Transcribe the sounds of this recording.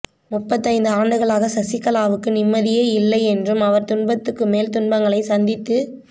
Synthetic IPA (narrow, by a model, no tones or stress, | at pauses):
mʊpːɐt̪̬ːɐɪnd̪ɯaːɳɖɯɣɐɭaːɣɐsɐsɪkːɐlaːʋɯkːɯnɪmːɐðɪjeːɪlːɐɪɛndrɯmɐʋɐɾt̪ʊɳbɐt̪ːɯkːɯmeːlt̪ʊɳbɐŋɡɐɭɐɪsɐnd̪ɪt̪ːɯ